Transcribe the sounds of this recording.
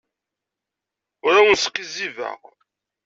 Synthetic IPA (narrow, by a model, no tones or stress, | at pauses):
ʊɾawənsə̥qːizivæ̰ʁ